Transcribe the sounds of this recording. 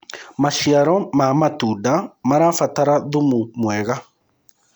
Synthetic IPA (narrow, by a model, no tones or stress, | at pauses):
maʃiaɾɔmamatudamaɾafataɾaðumumwɛɣa